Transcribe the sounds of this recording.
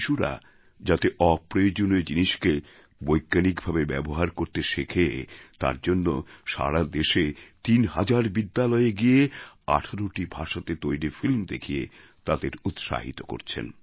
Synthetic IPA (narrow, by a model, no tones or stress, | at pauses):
ʃuɾa̰ | d͡ʑat̪eʔɔpɾojod͡ʑoned͡ʑiniʃke | bojɡːanikbʱabebɛboɦaɾkoɾt̪eʃekʰet̪a̰ɾd͡ʑonːoʃa̰ɾad̪eʃet̪inɦad͡ʑaɾbid̪ːalɔeeɡiea̰ʈʰaɾoʈibʱaʃat̪et̪ojɾifilmd̪ḛkʰijḛ | t̪ad̪eɾut̪ʃa̰ɦḭt̪oko̰ɾt͡ɕʰḛn